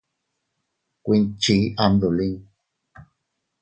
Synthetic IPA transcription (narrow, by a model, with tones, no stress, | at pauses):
kʷi˧nt͡ʃi˧˨˦ʔa˧nd̪u˨li˦ŋ